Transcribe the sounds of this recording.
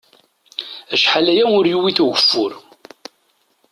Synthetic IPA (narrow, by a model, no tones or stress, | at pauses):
æʃħalæjæʊɾjiwiθwəfːʊɾ